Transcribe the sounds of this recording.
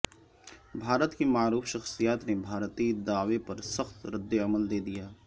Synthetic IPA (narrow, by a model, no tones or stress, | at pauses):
bʱaːɾət̪kimaːɾuːfʃɐxsijaːt̪nebʱaːɾt̪id̪aːʋepɐɾsəxt̪ɾɪd̪ːeɐməld̪eːd̪ijaː